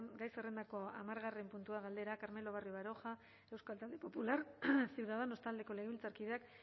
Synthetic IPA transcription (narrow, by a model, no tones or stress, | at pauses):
ɡajsere̞nd̪ako̞amaɾɣare̞mpunt̪uaɣald̪e̞ɾakaɾme̞lo̞β̞arjoβaɾo̞xa | e̞wskalt̪ald̪e̞po̞pulaɾsiwðaðano̞st̪ald̪e̞ko̞le̞ɣeilt͡saɾkiðeak